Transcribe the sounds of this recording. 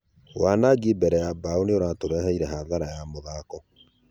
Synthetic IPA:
waːnaɡibɛɾɛjabaonioɾatoɾɛhɛiɾɛhaːðaɾajamoðaːkɔ

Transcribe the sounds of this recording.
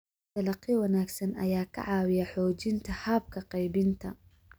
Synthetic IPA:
t̪ɐlɑqːɪwɑnaːɡsɐnɐ̰jaːkʰɐ̰ʕɑːwɪjɐħɔːt͡ʃɪnt̪ʰɐhaːb̚kʰɐqɑjbɪnt̪ʰɐ

